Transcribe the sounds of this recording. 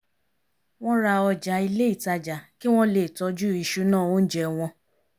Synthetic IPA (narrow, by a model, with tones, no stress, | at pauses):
w̃ɔ̃˦ɾa˧ɔ˧d͡ʒa˨˧i˧le˦i˦˨ta˧d͡ʒa˨ki˦w̃ɔ̃˦le˨tɔ˧d͡ʒu˦˨i˧ʃu˧˦nãː˦˨wõ˦n̩˦d͡ʒɛ˧w̃ɔ̃˧